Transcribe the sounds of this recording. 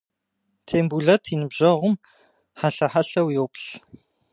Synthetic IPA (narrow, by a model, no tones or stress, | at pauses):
tʰeːmbuɮɐtʰinɨbʑɐʁʷʊm | ħaɬɐħaɬɐwjowpɬ